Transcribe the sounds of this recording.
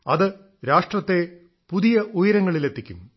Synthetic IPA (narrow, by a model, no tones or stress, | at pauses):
ɐðɨ | ɾaːʂʈrɐt̪ːe̞ | puðijɐʔujɐɾɐŋːɐɭilet̪ʰːikʲːṵm